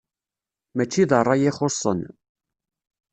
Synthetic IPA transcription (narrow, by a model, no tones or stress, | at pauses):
mæt͡ʃːiðərˤːɑjɪχosˤːə̰n